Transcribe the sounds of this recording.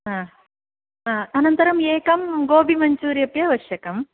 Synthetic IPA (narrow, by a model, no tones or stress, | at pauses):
ɦaː | ɦaːɐnɐnt̪ɐɾɐmeːkɐmɡoːbʱimɐɲt͡ʃuːɾijɐpjɐʋɐʃjɐkɐm